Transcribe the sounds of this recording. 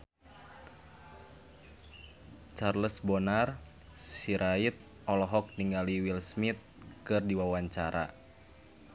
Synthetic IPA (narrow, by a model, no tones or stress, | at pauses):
t͡ʃarləsbɔnar | siɾʔait̪̚ | ɔlɔɦɔk̚niŋɡaliwilsmit̪̚kɨrdiwawaɲt͡ʃaɾa̰